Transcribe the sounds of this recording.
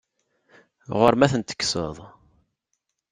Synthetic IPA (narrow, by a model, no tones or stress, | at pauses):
ʁʊɾmæθənt̪ə̥kːsə̰ðˤ